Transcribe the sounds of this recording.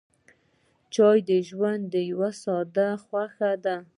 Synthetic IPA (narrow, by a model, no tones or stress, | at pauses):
t͡ʃɑjd̪əʒwand̪ːəjawasɑd̪axwaxad̪a